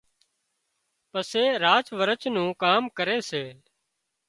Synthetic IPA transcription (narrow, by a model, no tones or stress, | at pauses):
pəseːɾaːt͡ʃʋəɾət͡ʃnũːkaːmkəɾeːseː